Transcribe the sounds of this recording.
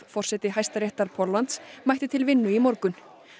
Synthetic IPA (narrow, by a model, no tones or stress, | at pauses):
fɔr̥sɛt̪ɪɦajst̪aɾeht̪aɾ̥pʰɔlːant̪smajht̪ɪt̪ʰɪlvɪnːʏimɔɾkʏn